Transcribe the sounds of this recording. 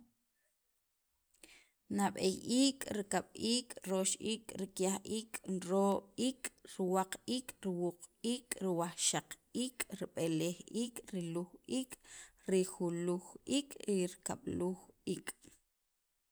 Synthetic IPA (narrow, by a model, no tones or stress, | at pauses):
naɓejiːkʼɾikaɓ̥iːkʼɾoʃʔiːkʼɾikjaχʔiːkʼnɾoːɓiːkʼɾiwaqiːkʼɾiwuqiːkʼɾiwaχʃaq | iːkʼɾiɓelexiːkʼɾiluxiːkʼɾixuluxiːkʼɾiɾika̰ɓ̥luxiːkʼ